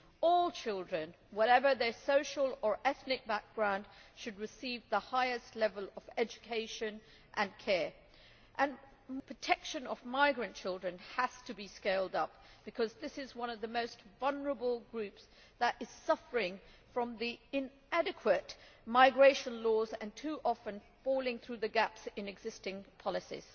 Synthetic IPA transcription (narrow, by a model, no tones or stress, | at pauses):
ɔlˠt͡ʃʰɪlˠdɹɨ̃n | wʌɾɛvə˞ðə˞soʊʃl̩ˠə˞ʔɛθnɨk̚b̥æk̚ɡ̥ɹãʊ̃nd̥ʃɨd̚ɹɨsivðəhaɪɨstˡlɛvəl̩ˠʌvɛd͡ʒɨkʰeɪʃɨ̃n | ʔɨ̃nkʰɛɹ | ʔɨ̃n | pʰɹ̥ɨtʰɛkʃɨ̃nʌvmaɪɡɹɨ̃nt͡ʃʰɪlˠdɹɨ̃nəz̥tʰɨbiskeɪlˠdʌp̚ | b̥ɨkʰʌzðɪsɨzwʌ̃nʌvðɨmoʊstvʌlˠnə˞əbl̩ˠɡɹʉps | ðəɾɨz̥sʌfə˞ɪ̃ŋ | fɹʌ̃mðiɨ̃n | æɾɨkʰwətmaɪɡɹeɪʃɨ̃nlɔzɨ̃ntʰʉʔɑfɨ̃nfɔlˠɪ̃ŋθɹʉðɨɡæpsɨ̃nɨɡzɪstɪ̃ŋpʰɑlˠɨsḭz̥